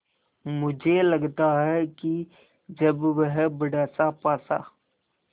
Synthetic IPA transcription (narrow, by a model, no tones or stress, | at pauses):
mʊd͡ʒʱelɐɡt̪aɦɛki | d͡ʒɐbʋəɦbəɽɛːsapaːsa̰ː